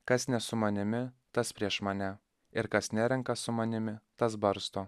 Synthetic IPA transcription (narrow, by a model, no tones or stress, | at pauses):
kɐsnʲɛsʊmɐnʲɪmʲɪ | t̪ɐspʲɾʲiɛʃmɐnʲɛ | ɪɾkɐsnʲæɾʲɛŋkɐsʊmɐnʲɪmʲɪt̪ɐs̬bɐɾst̪oː